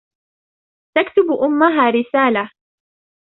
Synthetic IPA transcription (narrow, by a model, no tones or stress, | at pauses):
t̪akt̪ʊbʔʊmːaɦaːɾɪsaːla